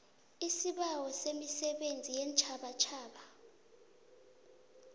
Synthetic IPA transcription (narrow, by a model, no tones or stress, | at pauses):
isiɓawɔsemisɛɓend͡zʱijɛnt͡ʃʰʼaɓat͡ʃʰaːɓa